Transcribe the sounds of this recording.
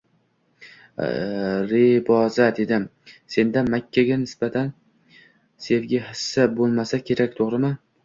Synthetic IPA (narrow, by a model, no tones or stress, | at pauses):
ɾebɒzad̪ed̪ɪm | se̞nd̪amakʲʰːaɡʲanɪsbat̪ʰan | se̞vɡʲahɪsːabolˠmasakʲʰe̞ɾakʲt̪ʰoʁɾɪmɪ